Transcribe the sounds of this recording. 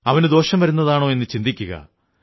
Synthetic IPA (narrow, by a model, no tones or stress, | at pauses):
ɐʋɐnɨd̪o̞ːɕɐmʋɐɾunːɐðaːɳo̞ːe̞nːɨt͡ɕind̪ikʲːuɣɐ̰